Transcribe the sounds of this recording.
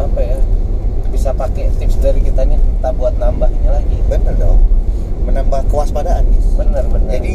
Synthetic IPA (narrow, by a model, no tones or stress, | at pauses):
apajabisapakɛt̪ɪpsdaɾikit̪aɲat̪aʔbuat̪̚nambahɲalaɡibənərdo̰ | mənambahkəwaspadaʔːnibənərbənəadi